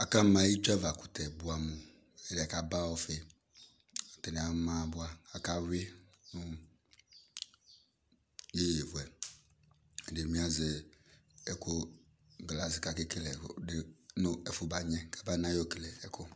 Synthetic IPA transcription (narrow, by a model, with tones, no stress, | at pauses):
a˨ka˦mã˨˦ji˦t͡ʃa˦va˨ku̥˨t̪ɛ˨bu˦a˨mu˨ | e˦de˨a˨ka˨ba˦wo˦fe˨˦˨ | t̪e˨nẽ˨a˨˦mã˦˨˦bʊ˦a˦a˨ka˦wɪ˦nʊ̃˦ | je˦je˨vu˨ɛ˨ | de˨mĩ˦a˦ze˨ | ɛ˨ko˦ | ɡla˨sɪ˨ka˨ke˦ke˦lɛ˨de˦nʊ̃˦ɛ˨fʊ˨ba˨ɲɛ̃˦kḁ˨ba˦nã˦jo˦ke˨lɛ˨ɛ˨kʰʊ˦